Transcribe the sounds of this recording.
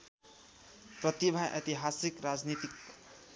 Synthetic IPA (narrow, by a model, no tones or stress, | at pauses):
pɾʌt̪ibʱajʔʌ̰t̪iɦasikɾad͡znit̪ik